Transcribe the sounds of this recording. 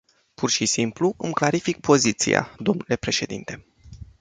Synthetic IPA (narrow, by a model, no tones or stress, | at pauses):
pʰurʃisimpluɨmklaɾifik̚pʰo̞zit̪sḭja̰d̪o̞mnule̞pɾe̞ʃe̞d̪ḭnt̪e̞